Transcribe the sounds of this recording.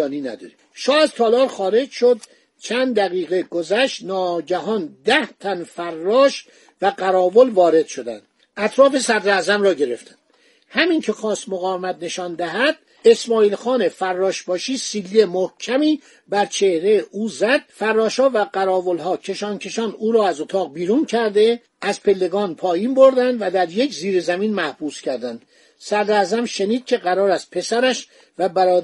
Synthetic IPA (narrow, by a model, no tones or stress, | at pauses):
niːnæ̰d̪ɒ̰ɾe | ʃɒːæzt̪ʰɒːlɒːɾxɒːɾe̞d͡ʒʃo̞d̪̚ | t͡ʃʰænd̪d̪æɣiːɣe̞ɡozæʃt̪nɒːɟæɦɒːnd̪æht̪ʰænfærːɒːʃ | væɢæɾɒːvolvɒːɾe̞d̪ʃo̞d̪æ̰nd̪̥ | æt̪ʰɾɒːfe̞sæd̪ɾæzæmɾɒːɟe̞ɾe̞ft̪ʰæ̥n | hæmincʰe̞xɒːst̪moɣɒːvemæt̪̚ne̞ʃɒːnd̪æɦæd̪̥̚ | e̞smɒːiːlxɒːne̞fæɾːɒːʃbɒːʃiːsiːlːemohcʰæmiː | bæɾt͡ʃʰe̞hɾe̞jʔuːzæd̪̥̚færːɒːʃhɒːvæɡæɾɒːvolɦɒːcʰe̞ʃɒːncʰe̞ʃɒːnuːɾɒːæzot̪ʰɒːɣ̚biːɾuːncʰæɾd̪e̞ | ʔæzpʰe̞lːe̞ɡɒːnpʰɒːjiːnbo̞ɾd̪ænd̪væd̪æɾje̞kʰziːɾezæmiːnmæhb̥uːscʰæɾd̪ænd̪̥ | sæd̪ɾæzæmʃe̞niːd̪̥̚cʲʰe̞ɢæɾɒːɾæst̪̚pʰe̞sæɾæʃ | væbæɾɒː